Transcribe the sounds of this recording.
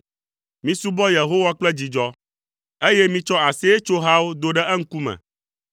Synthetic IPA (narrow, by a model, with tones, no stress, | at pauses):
mĩ˨su˦bɔ˦je˨ɦo˦wa˦k͡plɛ˦d͡ʑi˨d͡ʒɔ˦ | e˦je˦mĩ˦t͡ʃɔ˦a˨se˦e˦t͡ʃo˦ɦa˦wo˦d̪o˦ɖɛ˦ʔɛ˦ŋ̩˦ku˦mɛ̰̃˨